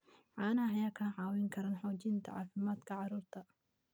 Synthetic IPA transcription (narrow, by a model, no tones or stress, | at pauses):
ʕɑːnɐɦɐjaːkʰɐʕɑːwɪŋkʰɐɾɐnħɔːt͡ʃɪnt̪ʰɐ̰ʕɑ̰ːfɪmaːd̪kʰɐʕɑɾuːrt̪ʰɐ